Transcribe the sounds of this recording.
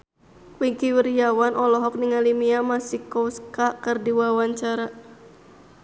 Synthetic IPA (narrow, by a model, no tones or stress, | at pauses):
wiŋkiwərijawanʔɔlɔɦɔk̚niŋalimiamasikɔskakərdiwawaɲt͡ʃaɾa